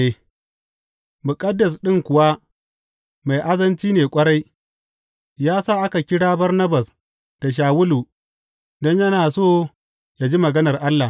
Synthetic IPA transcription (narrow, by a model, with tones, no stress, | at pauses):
e˨ | mʊ˨kʼɐ˦dːɐ˨s̬ɗɪ˦ŋkʷʊ˨wa˦ | ma˨jʔa˦zɐ˦nt͡ʃiː˦neː˨kʷʼɐ˦ɽa˦j | jaː˦saː˦ʔa˦ka˨kʲɪ˦ɽaː˦bɐ˦rnɐ˦ba˨s | d̥a˨ʃ̬aː˨wʊ˦luː˨ | dɔ˦ɲjɐ˦naː˨soː˦ | ja˨d͡ʒi˦mɐ˨ɡɐ˦nɐ˨rʔa˦lːa˨